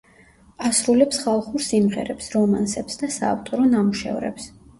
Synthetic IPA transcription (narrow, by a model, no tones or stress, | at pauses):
asɾulɛpsχalˠχuɾsimʁɛ̰ɾɛpsɾɔmansɛpsd̪asa̰ːft̪ʼɔɾɔnamuʃɛ̰vɾɛ̰ps